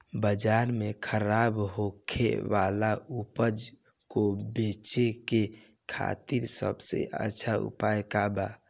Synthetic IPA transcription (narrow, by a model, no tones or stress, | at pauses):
bəd͡ʒaɾmekʰəɾabɦokʰḛʋalaupəd͡ʒ | kobet͡ʃeke | kʰa̰t̪iɾsə̰bsḛʔə̰tːʃʰaṵpajkaba